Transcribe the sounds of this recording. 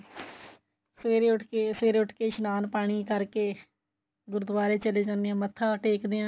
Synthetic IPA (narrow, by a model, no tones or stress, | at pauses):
seːɾeːʊʈʰkeːseːɾeːʊʈʰkeːʃənaːnpaːɽ̃iːkəɾkeː | ɡʊɾəd̪ʋaːɾeːt͡ʃəleːd͡ʒãːnd̪eãːmət̪ʰːãːʈeːkd̪eãː